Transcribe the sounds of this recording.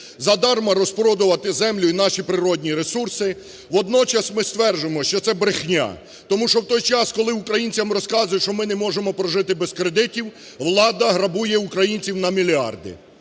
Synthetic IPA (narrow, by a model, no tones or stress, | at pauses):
zɐd̪ɑrmɐɾɔspɾɔd̪ʊʋɐt̪ɪzɛmlʲʊinɑʃipɾɪɾɔdʲnʲiɾesursɪ | ʋɔd̪nɔt͡ʃɐsmɪst̪ʋɛrd͡ʒemɔʃt͡ʃɔt̪sɛbɾɪxnʲa̰ | t̪ɔmuʃɔwt̪ɔjt͡ʃɑskɔlˠɪukɾɐjinʲt͡sʲɐmrɔskɑzʊjɛʃɔmɪnɛmɔʒemɔpɾɔʒɪt̪ɪbeskɾed̪ɪtʲiw | ʋlˠɑd̪ɐɦɾɐbujɛukɾɐjinʲt͡sʲiwnɐmʲilʲiɑ̰rd̪ɪ̰